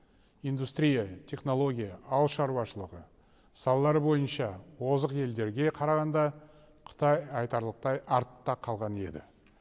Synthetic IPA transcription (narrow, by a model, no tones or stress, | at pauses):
ijnd̪ust̪ɾʲijat̪ʲʰe̞χno̞lˠo̞ɡʲijɑɑw̪ˠʃɑɾuwɑʃəlˠəʁə | sɑlˠɑlˠɑɾbo̞jənʃɑwo̞zəqe̞ld̪e̞ɾɡʲe̞qʰɑɾɑʁɑnd̪ɑ | qʰə̥t̪ɑjɑjt̪ɑɾlˠəq̚t̪ɑjɑɾt̪ːɑqʰɑlˠʁɑne̞d̪ɪ̰